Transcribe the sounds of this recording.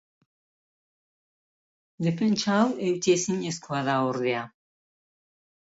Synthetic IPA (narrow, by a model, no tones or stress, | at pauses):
d̪epent͡ʃawewt̪iesiɲeskuaðaoɾðea